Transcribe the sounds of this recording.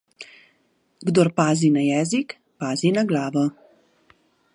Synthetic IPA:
ɡd̪ɔɾpaːzinajɛːzik | paːzinaɡlaːʋɔ

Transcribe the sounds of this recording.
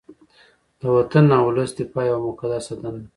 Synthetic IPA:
d̪̥əwat̪anːawʊləsd̪ipajawmʊkad̪asad̪an

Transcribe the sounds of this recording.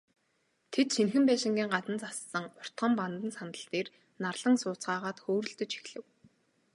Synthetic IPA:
t̪ʰet̪ʃenxɘ̆mpæːʃɪ̆ŋɡʲiːŋɢat̪ə̆nt͡sassə̆ŋʊr̥t̪ɢə̆mpant̪ə̆nsanə̆ɬt̪eːr | narɮ̥ə̆ŋsʊːt͡sɢaːʁaːt̪xoːɾɵ̆ɬt̪ɵ̆t͡ɕxi̥xɮɘ̆w

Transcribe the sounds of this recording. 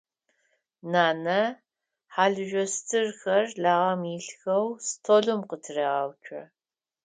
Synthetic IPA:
naːnɐ | ħaːɮɨʒʷᶣɔstʰɨrxɐrɮaːʁɐmiɬxɐwstʰoːɮʊmqətʰɨreːʁaːwt͡ʃʰʼɐ̰

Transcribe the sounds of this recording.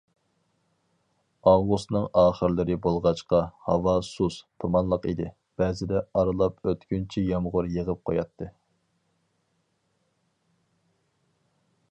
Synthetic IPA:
ɑwɡust̪nɨŋɑːχəɾlɨɾɪbolˠʁɑt͡ʃqɑhɑwɑsust̪ʰumɑnlˠəqid̪ɪ | b̥ɛːzɪd̪ɛɑɾɨlˠɑpøt̪kʲynt͡ʃʰijɑmʁʊɾjəʁəp̚qʰojɑt̪ʰːɨ

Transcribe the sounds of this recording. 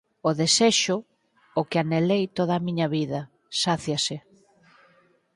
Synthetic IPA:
ʊðeseʃʊː | kɪanelejt̪oð̞aːmiɲɐβiðɐ | saθjasɪ

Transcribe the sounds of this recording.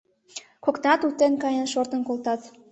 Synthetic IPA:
koknɑt̪ut̪ːenkɑjənʃort̪ə̆nkolt̪ɑt̪

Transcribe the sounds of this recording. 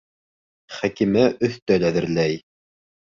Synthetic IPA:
χækimæʔɵ̆θt̪œlæðɘ̆ɾlæj

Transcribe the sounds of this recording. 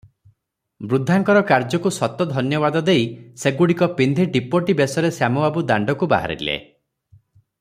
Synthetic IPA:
bɾud̪ʱːaŋkɔɾɔkaɾd͡ʒɔkusɔt̪ɔd̪ʱɔnjɔβad̪ɔd̪ejseɡuɽikɔpind̪ʱiɖipoʈibesɔɾesjamɔbabud̪aɳɖɔkuba̰ɦa̰ɾḭlḛ

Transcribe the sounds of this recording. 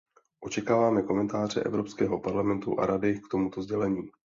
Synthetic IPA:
ʔo̞t͡ʃɛkaːvaːmɛko̞mɛnt̪aːr̝ɛ̰ʔɛ̰vɾo̞pskɛːɦo̞paɾlamɛnt̪uʔa̰ɾadɪkt̪o̞mut̪o̞zɟɛlɛɲiː

